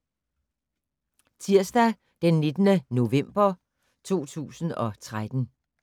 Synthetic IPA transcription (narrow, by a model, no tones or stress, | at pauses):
t͡sʰiɐ̰sd̥æ | d̥enːed̥ənəno̝ʋem̰b̥ɐ | t͡sʰo̝̰ːt͡sʰṵːsn̩ɒ̽t͡sʰʁad̥n̩